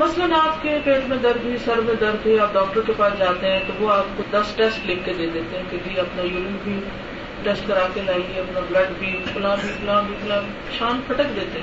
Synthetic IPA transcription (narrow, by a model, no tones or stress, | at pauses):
mɐslənaːpkepeːzmẽd̪ɐɾbʱisɐɾmẽd̪ɐɾbeaːɖɔːk̚ʈəɾkepaːsd͡ʒaːt̪eɦɛ̃t̪oʋoaːp̚kod̪ɐsʈɛsʈleːkːed̪eːd̪eːt̪eɦɛ̃ked͡ʒiɐpnajuːlubʱi | ʈɛːsʈkɐɾaːkelaːieɐpnablɐɖbʱipʊlãːbʱiɐpʊlãːbʱiɐp̪na | ʃaːnpʰɐʈəkd̪eːt̪eɦɛ̃